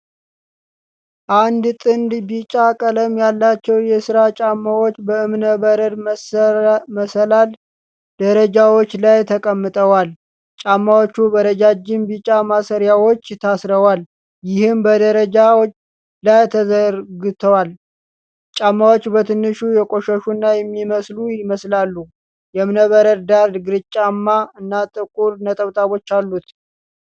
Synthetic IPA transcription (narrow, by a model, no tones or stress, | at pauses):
ʔand̪t̪ʼɨnd̪bit͡ʃʼakʼələmjalːat͡ʃːɛwjɛsɨɾat͡ʃʼamːawot͡ʃːbəɨmnəbəɾəd̪ | məsəlal | d̪əɾəd͡ʒawot͡ʃːlajt̪ʰəkʼəmːɨt̪ʼəwal | t͡ʃʼamːawot͡ʃːubəɾəd͡ʒad͡ʒːɪmbit͡ʃʼamasəɾjawo̞t͡ʃːt̪ʰasɾəwal | jɪhɨmbəd̪əɾəd͡ʒawot͡ʃː | lajt̪ʰəzəɾɡɨt̪ʰəwal | t͡ʃʼamːawo̞t͡ʃːbət̪ʰɨnːɨʃujɛkʼo̞ʃəʃunːajɛmːiməslujɪməslalːu | jɛmɨnəβəɾəɾd̪aɾd̪ɡɨɾɨt͡ʃʼːamːaɨnːat̪ʼɨkʼuɾnət̪ʼəβt̪ʼaβo̞t͡ʃːalːut̪